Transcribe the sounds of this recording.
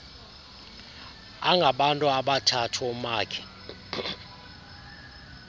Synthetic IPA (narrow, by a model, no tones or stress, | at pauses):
aŋɡʱaɓantʼuaɓatʰatʰɔmaːkʰɛ̥